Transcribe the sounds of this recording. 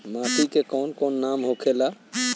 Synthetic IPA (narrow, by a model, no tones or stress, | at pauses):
mapʰikekɔːnkɔːnːamɦokʰela